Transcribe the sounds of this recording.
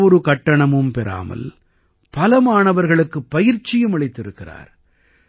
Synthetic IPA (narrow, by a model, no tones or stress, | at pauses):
ɔɾɯkɐʈːɐɳɐmɯmpɛɾa̰ːmɐ̰l | pɐlɐmaːɳɐʋɐɾɣɐɭɯkːɯpːɐjɪɾt͡ʃɪjɯmɐɭɪt̪ːɪɾɯkːɪra̰ːɾ